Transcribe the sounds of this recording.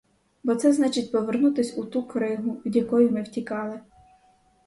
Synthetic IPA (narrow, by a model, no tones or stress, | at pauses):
bɔt̪sɛznɑt͡ʃɪtʲpɔʋernut̪ɪsʲut̪ukɾɪɦʊʋʲdʲjɐkɔjʊmɪwtʲikɑlˠɪ